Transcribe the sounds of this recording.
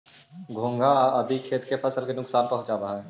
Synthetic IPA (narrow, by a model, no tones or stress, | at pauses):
ɡʱõːŋɡaəd̪ʱikʰeːt̪kepʰəsəlkenʊksaːnpɐɦʊ̃t͡ʃaɾaɦaɦɛː